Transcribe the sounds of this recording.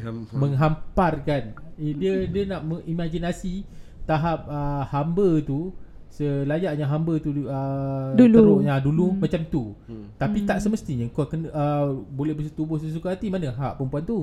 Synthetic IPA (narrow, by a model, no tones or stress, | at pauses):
məŋɦamparkandiədiənaʔməŋimãɡinasit̪aɦap̚əhambət̪u | səlajaʔɲaɦambət̪uəduluɾoãdulumat͡ʃamt̪ut̪apit̪aʔsəməst̪iɲəkokənəbolɛbəs̬ət̪ubʊhsəs̬ukaat̪imanəɦaʔpəmpuant̪u